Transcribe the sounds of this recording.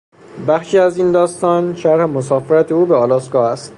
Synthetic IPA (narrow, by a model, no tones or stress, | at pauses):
bæxʃiːæziːnd̪ɒːst̪ɒːnʃæɾhemosɒːfeɾæt̪ʰeuːbeɒːlɒːskɒːæst̪